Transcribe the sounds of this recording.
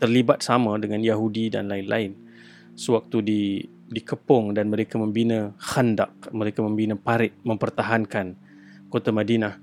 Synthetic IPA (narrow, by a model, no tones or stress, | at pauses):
t̪ərlibat̪̚samãdəŋãnjaɦudida̰nlainlʔa̰ɪn | səwak̚t̪udi | dikəpʊŋdanməɾekamə̃mbinə̃xənda̰k̚məɾekamə̃mbinə̃paɾɪt̪̚mə̃mpərt̪aɦankan | kot̪amãdinah